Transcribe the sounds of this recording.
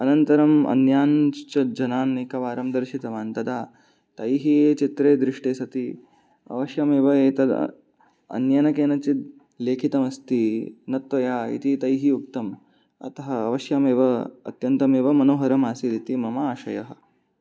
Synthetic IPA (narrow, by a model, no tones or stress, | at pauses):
ɐnɐnt̪ɐɾɐmɐ̰njaːnt͡ʃɐd͡ʒɐnaːnːekɐʋaːɾɐmd̪ɐɾʃit̪ɐʋaːnt̪ɐd̪ʱaː | t̪ɐjiɦiet͡ʃit̪ɾeːd̪ɾiʂʈeːsɐt̪iː | ɐ̰ʋɐʃjameːʋɐeːt̪ɐd̪̰ | ɐ̰njɐnɐkeːnɐt͡ɕit̪̚ | leːkʰit̪ɐmɐst̪iːnɐt̪ʋɐjaːḭt̪it̪ɐjɦiuk̚t̪ɐm | ɐ̰t̪ɐɦɐɐ̰ʋɐʃjameːʋɐɐ̰t̪jɐnt̪ɐmeːʋɐmɐnoːɦɐɾɐmaːsiɾit̪imɐmaːʃɐjɐɦɐ̆